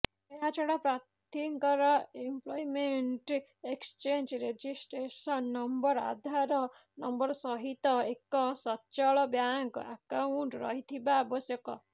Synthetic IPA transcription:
eɦat͡ʃʰɔɽapɾat̪iŋkɔɾɔemplɔjmeɳʈekst͡ʃend͡ʒɾed͡ʒisʈɾesɔnːɔmbɔɾa̰d̪ʱaɾɔ | nɔmbɔɾɔsɔɦit̪ɔekɔsɔt͡ʃɔɭɔbjaŋka̰kawuɳʈɾɔ̰ɦit̪ʰibaːbɔsjɔkɔ

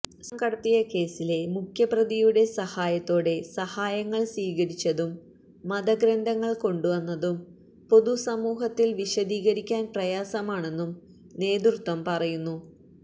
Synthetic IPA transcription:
sɐmkɐɽɐt̪ːijɐke̞ːsile̞mukʰjɐprɐðijuɽe̞sɐhaːjɐt̪ːo̞ːɽe̞sɐhaːjɐŋːɐɭsʋiːɣɐɾit͡ɕːɐðumː | ɐd̪ɐɡɾɐnd̪ʱɐŋːɐɭko̞ɳɖuʋɐnːɐðum | po̞ðusɐmuːɦɐt̪ːilʋiɕɐd̪iːɣɐɾikʲːaːnprɐjaːsɐmaːɳe̞nːum | ne̞ːd̪urt̪ːʋɐmpɐrɐjunːu

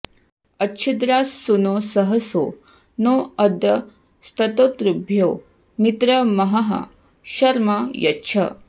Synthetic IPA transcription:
ɐtːt͡ʃʰid̪ɾaːsːunoːsɐɦɐso̰ː | noɐd̪jɐ | st̪ʰɐt̪ot̪ɾubʱjoː | mit̪ɾɐmɐɦɐɦɐ̰ | ɕɐɾmajɐtːʃʰɐ̰

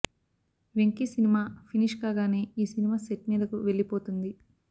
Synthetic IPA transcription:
ʋeŋkisinimaːpʰiniʂkaːɡaːne̞ːiːsinimaːseʈmiːd̪ɐkuʋe̞ɭːipo̞ːt̪und̪i

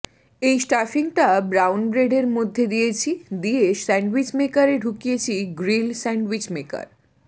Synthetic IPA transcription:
ejsʈafiŋʈabɾawnbɾeɖeɾmod̪ʱːed̪ijet͡ɕʰid̪iesɛɳɖwit͡ɕmekaɾeɖʱukijet͡ɕʰiɡɾilsɛɳɖwit͡ɕmeka̰ɾ

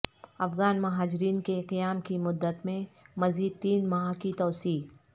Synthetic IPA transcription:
ɐfɣaːnmɐɦaːd͡ʒɪɾiːnkeqijaːmkimʊd̪ːət̪mẽmɐziːd̪̚t̪iːnmaːɦakit̪ɔːsiː

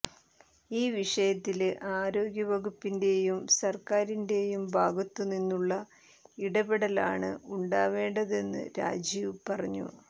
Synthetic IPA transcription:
iːʋiʂɐjɐt̪ːilʔaːɾo̞ːɡjɐʋɐɣupːinde̞jumsɐrkaːɾinde̞jumbʱaːɡɐt̪ːuninːuɭːɐ | iɽɐbeɽɐlaːɳɨuɳɖaːʋe̞ːɳɖɐðe̞nːɨ̰ɾa̰ːd͡ʑiʋpɐrɐɲːṵ

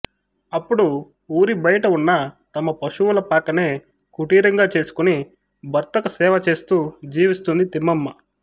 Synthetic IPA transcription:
ɐpːuɽu | uːɾibɐjɐʈɐunːɐt̪ɐmɐpɐʃuwulɐpaːkːɐneː | kuʈiːɾɐŋɡaːt͡ʃe̞ːsu̥kuni | bɐɾt̪ɐkɐsɛːʋɐt͡ʃe̞ːst̪uːd͡ʒiːʋist̪und̪it̪imːɐmːɐ

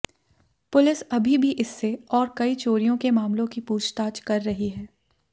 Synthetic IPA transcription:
pʊlɪsɐbʱibʱiʔɪsːeɔːɾkɐit͡ʃoːɾijõkemaːmlõkipuːt͡ʃʰt̪aːt͡ʃkɐɾːɐɦiɦɛː

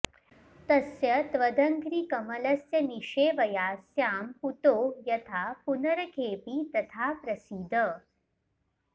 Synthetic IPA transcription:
t̪ɐsjɐt̪ʋɐd̪ʱɐŋkɾiːkɐmɐlɐsjɐniʂeːʋɐjaːsjaːmput̪oːjɐt̪ʰaːpunɐɾɐkʰeːpit̪ɐt̪ʰaːpɾɐsid̪ʱə

